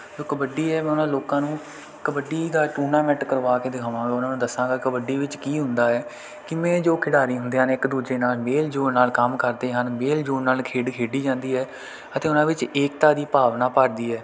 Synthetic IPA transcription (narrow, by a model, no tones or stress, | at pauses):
d͡ʒoːkəbəɖiːɛːmɛ̃ːʊnãːloːkãːnũː | kəbəɖiːd̪aːʈuːnãːmɛ̃ʈkəɾʋaːkeːd̪ɪkʰaːʋãːaːʊnãːnũːd̪əsːãːɡaːkəbəɖiːʋɪt͡ʃkiːɦʊ̃nd̪aːɛː | kɪmɛ̃ːd͡ʒoːkʰɪɽaːɾiːɦʊ̃nd̪iːãːneːɪkd̪uːd͡ʒeːnaːlmeːld͡ʒoːɽnaːlkəmkəɾd̪eːɦənmeːld͡ʒoːnnaːlkʰeːɖkʰeːɖiːd͡ʒãːnd̪iːɦɛː | ət̪eːʊnãːʋɪt͡ʃeːk̚t̪aːd̪iːpaːʋnaːpaːɾd̪iːɛː